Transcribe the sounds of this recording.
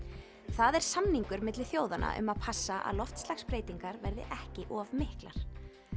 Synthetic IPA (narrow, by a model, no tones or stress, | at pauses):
θaðɛɾ̥samniŋkʏɾmɪt̪lɪθjoːwðanʔa̰ʔʏ̰maðpʰasːaʔa̰ðlɔft̪stlaxspɾeːjt̪iŋkaɾvɛɾðɪ̰ʔɛhcɪʔɔːvmɪhkla̰ɾ̥